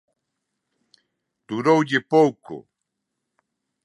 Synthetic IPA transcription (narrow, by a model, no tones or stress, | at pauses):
t̪ʊɾowʎɪpowkʊ̰